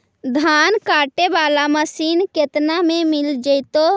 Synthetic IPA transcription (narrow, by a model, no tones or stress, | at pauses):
d̪ʱaːnkaːʈebaːlaməsiːnket̪namẽmɪld͡ʒəɪt̪o